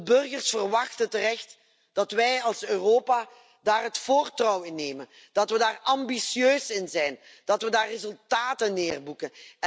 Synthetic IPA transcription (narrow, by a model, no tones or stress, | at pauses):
əbɵrɣərsfərʋɑxtətərɛxt | d̥ɑtʋɛjɑlˠsøːroːpa | daːrɦətfoːrtrɔwɪnːeːmən | d̥ɑtʋədaːrɑmbisjøːsɪnzɛjn | d̥ɑtʋədaːrːezɵlˠtaːtənːeːrbukən